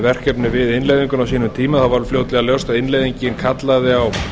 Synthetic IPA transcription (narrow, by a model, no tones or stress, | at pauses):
vɛr̥cœpnɪvɪðɪnlejðiŋkʏnawsiːnʏmt̪ʰiːmaθavaɾfloːwt̪lɛɣaljowst̪aðɪnlejðiɲcɪnkʰat̪laðɪaw